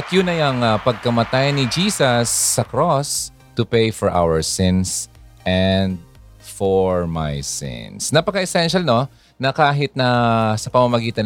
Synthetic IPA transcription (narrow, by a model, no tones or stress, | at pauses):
ɐt̪jʊnɐjɐŋapɐɡ̚kɐmɐt̪ajnɪd͡ʒiːsɐsːɐkɾos | t̪ʊpejfɔɹʔa̰wɛɹsɪ̃ns | ʔɛnd̪̚ | foɹma̰jsɪ̰nsnɐpɐkɐʔɛsɛnʃɐlno̞ | nɐkaːɦɪt̪̚nɐsɐpɐmamɐɡiːt̪ɐn